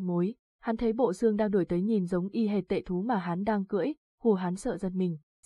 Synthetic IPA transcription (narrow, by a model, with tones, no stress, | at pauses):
mo˨˦j | ha˨˦nt̪ʰe˨˦jɓo̰˧˨sɨ˧əŋɗaː˧ŋɗo˧˩jt̪ə˨˦jɲi˨˩nzə˨˦wŋ͡mʔi˧ɦe˨˩t̚t̪ḛ˧˨t̪ʰu˨˦maː˨˩ɦa˨˦nɗaː˧ŋkɨ̰˧˥əj | hu˧˩əɦa˨˦nsə̰ː˧˨zə˧˩nmï˨˩ŋ̟